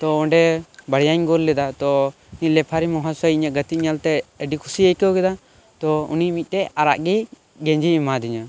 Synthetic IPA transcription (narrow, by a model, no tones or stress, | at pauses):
t̪ɔɔɳɖɛbəɽjaɲɡɔlːɛd̪at̪ɔ | nilɛpʰaɾimɔɦãsajɲaʔɡət̪it̪̚ɲalt̪ɛəɖikʰusiəjkəwkɛd̪a | t̪ɔṵnimic̚ˀt̪ɛaɾa̰ʔɡɛ | ɡɛ̃ɲd͡ʒimad̪iɲa